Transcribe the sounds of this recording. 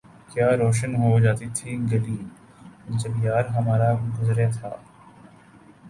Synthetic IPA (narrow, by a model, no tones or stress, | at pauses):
kjaːɾoːʃ̬ənɦod͡ʒaːt̪it̪ʰiɡɐliː | ʊsɐbijaːɾɦɐmaːɾaɡʊzɾet̪ʰa̰ː